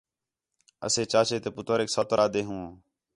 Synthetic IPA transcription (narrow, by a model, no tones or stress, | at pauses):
ə̰seːt͡ʃaːʃeːt̪eːpʊt̪əɾeːksoːt̪əɾʔaːd̪eːɦũːõː